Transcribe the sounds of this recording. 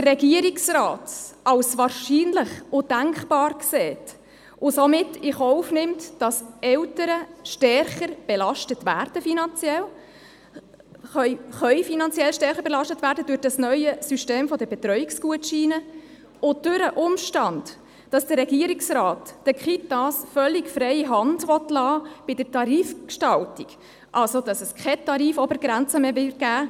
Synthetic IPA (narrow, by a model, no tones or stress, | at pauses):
d̪ərːɛɡiəɾɪksrɑːtʔɑwsʋɑːɾʃiːnlɪχʊd̥æŋkχbɑːɾksɛːt | ʔʊsɔmɪtːɪχɔʊfnɪmtd̥ɑsɛwtəɾəʃtɛrχəɾb̥elɑʃtətʋæ̰ːɾd̥əfinɑnt͡sjɛl | χœʏχœʏfinɑnt͡siɛlʃtɛrχəɾbɛlɑʃtətvæːɾdəd̥øɾd̥ɑsnœʏəsyʃteːmfɔdəbɛt̪ɾœʏiksɡ̥uətʃiːnə | ʊd̥ʉɾəʔʊmʃtɑnd̥ː | ɑsd̥əɾːɛɡiəɾiksrɑːtːəkχitːɑsfœlːikfɾɛɪiɦɑndʋɔtlɑːb̥ɪd̥ətɑɾiːfkʃtɑltiɡ̥ | ʔɑlsod̥ɑsəskχɛtɑɾiːfɔbəɾɡɾænt͡səmeːvɪt̚ɡ̥æː